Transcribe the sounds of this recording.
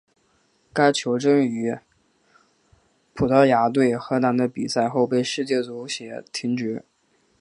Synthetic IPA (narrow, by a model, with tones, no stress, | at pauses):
ka˥ɪt͡ɕʰjo˧˥ʊʈ͡ʂɤ˥ŋy˧˥ | pʰu˨˩t̪ɤ˧˥ja˧˥t̪̬we˥˩ɪxɤ˧˥na˧˥nd̪ə˧pi˨˩sa˥˧ɪxo˥˧ʊpe˥˧ɪʂɻ̩˥˧t͡ɕjɛ˥˩t͡su˧˥ɕjɛ˨˩t̪ʰi˧˥ŋʈ͡ʂɻ̩˧˥